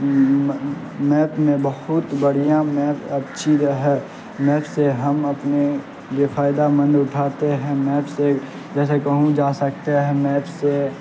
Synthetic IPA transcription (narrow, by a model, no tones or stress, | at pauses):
mɛːpmẽbəɦʊt̪bəɽ̤ijãmɛːpɐbt͡ʃʰizɦɛː | mɛːpseɦɐmɐpne | jefaːɪd̪amə̃nd̪ʊʈʰaːt̪eɦɛ̃mɛːpse | d͡ʒɛːsekəɦũd͡ʒaːsək̚t̪eɦɛ̃mɛːpse